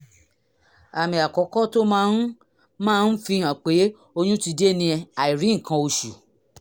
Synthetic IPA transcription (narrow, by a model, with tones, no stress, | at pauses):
a˨mĩ˧a˨kɔ˨˦kɔ˦to˦mãː˦n̩˦ | mãː˦˧˦n̩˦fĩ˧˦ɦã˨k͡pe˨˦ | o˧j̃ũ˦ti˧de˦nĩ˧ɛ˧a˨i˨ɾĩ˨˦ŋ̩˨kʰã˧o˧ʃu˨